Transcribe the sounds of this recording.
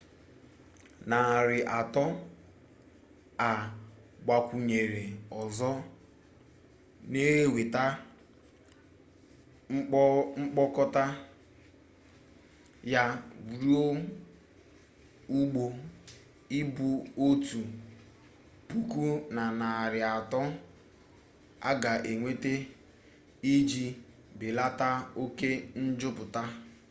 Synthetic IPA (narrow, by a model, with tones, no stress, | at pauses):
na˨ɾɪ˨ʔa˨tɔ˦ | a˨ɡ͡ba˨kʷu˨ɲe˨ɾe˨ɔ˨zɔ˦ | ne˦ɦe˦we˨ta˦ | ŋ͡m̩˦k͡pɔ˦kɔ˦ta˦ | ja˦bu˨ɾi˦o˦ | u˦ɡ͡bo˨ | ɪ˦bʊ˨o˦tu˨ | pu˦ku˦na˨na˨ɾɪ˨a˨tɔ˦ | a̰˦ɡa˨ʔe˨ŋʷe˦te˦ | i˦d͡ʒi˨ | bɪ˨la˦ta˦o˦ke˦n̩˦d͡ʒʊ˦pʊ˨ta˦